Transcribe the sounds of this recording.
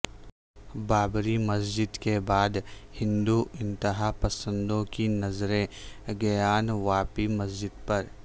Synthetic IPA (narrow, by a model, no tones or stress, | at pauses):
baːbɾimɐs̬d͡ʒɪd̪kebaːd̪hɪ̃nd̪uʔɪ̃nt̪ɪɦaːpɐsə̃nd̪õkinɐzɾẽɡɐjaːnʋaːpimɐsd͡ʒɪd̪pɐɾ